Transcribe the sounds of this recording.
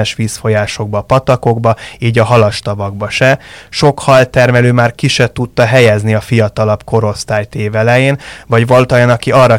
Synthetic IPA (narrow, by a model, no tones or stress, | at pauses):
ɛʃʋiːsfo̞jaːʃo̞ɡ̚bɒːpɒt̪ɒko̞ɡbɒiːɟɒɦɒlɒʃt̪ɒvɒɡ̚bɒʃɛʃo̞khɒlt̪ɛrmɛløːmaːrkiʃɛt̪ut̪ːɒɦɛjɛzniɒfijɒt̪ɒlɒpko̞ɾo̞st̪aːjt̪eːvɛlɛjeːnvɒɟvɒlut̪ɒjɒnɒkiʔɒrːɒ